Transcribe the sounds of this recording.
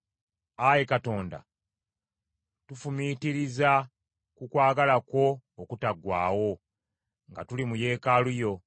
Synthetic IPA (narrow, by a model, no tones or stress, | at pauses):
ajekato̞ːnda̰ | tufumitiɾiza | kukwaːɡalako̞ːkutaɡwaːwo̞ | ŋɡatulimuje̞ːkalujo̞